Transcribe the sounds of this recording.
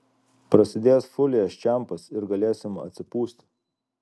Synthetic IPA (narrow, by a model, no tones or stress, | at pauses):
pɾɐsʲɪd̪ʲeːjsfʊlʲɪjɛt͡ʃʲæˑmpɐsɪɾɡɐlʲeːsʲɪmɐ̰t̪ʲsʲɪpuːsʲt̪ʲ